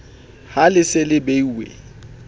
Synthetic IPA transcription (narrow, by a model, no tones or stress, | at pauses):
halɪsɪlɪbeiwḛ